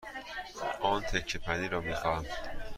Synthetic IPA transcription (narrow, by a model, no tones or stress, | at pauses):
ʔɒːnt̪ʰekʰːepʰæniːɾɒːmiːxɒæm